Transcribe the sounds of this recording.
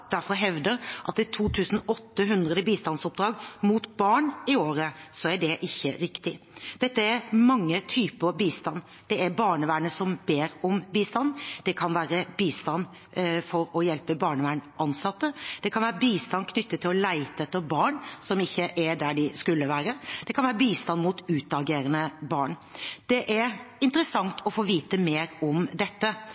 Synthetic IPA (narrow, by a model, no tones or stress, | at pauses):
d̪̥æɾfɔɾɦɛʋd̪əɾʔɑ̰t̪ːɪt̪ʰuːt̪ʰʉːsn̩ɔt̪ːəɦʉnd̪ɾəd̪əbiːst̪ɑnsɔp̚d̪ɾɑːɡmuːt̪bɑːɳɪoːɾəsɔæɖɛʔɪçːə̰ɾɪkt̪ɪ | d̪̥ɛt̪ːəæɾmɑŋːət̪ʰyːpəbiːst̪ɑnː | d̪̥ɛæɾbɑːɳəʋæːɳəsɔmbeːɾɔmbiːst̪ɑnːd̪̥ɛkʰɑnʋæːɾəbiːst̪ɑnː | fɔɾɔjɛlpəbɑːɳəʋæːɳɑnsɑt̪ːəd̪̥ɛkʰɑnʋæːɾəbiːst̪ɑnːkʰnʏt̪ːət̪ʰːɪlɔlæɪt̪əɛt̪ːəɾbɑːɳsɔmɪçːəʔæɖ̪æɖɪskʉlːəʋæːɾəd̪̥ɛkʰɑnʋæːɾəbiːst̪ɑnmuːt̪ʉːt̪̚ɑɡeːɾənəbɑːɳd̪̥ɛʔæɾɪnt̪əɾəsɑŋt̪ʰɔfoːʋiːt̪əmeːɾɔmd̪ɛt̪ːə